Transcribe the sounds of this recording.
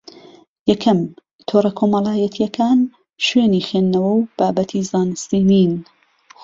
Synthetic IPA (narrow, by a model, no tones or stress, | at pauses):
jɛkʰɐm | t̪ʰoːɾɐkʰoːmɐlˠaːjɐt̪ʰijɛkʰaːn | ʃweːniːxeːnːɐwɐwb̥aːbɐt̪ʰizaːnɨst̪iːniːn